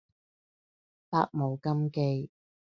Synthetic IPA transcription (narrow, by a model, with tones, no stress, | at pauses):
ta̰ː˧k̚mo˨˧wkɐ˥mke˧j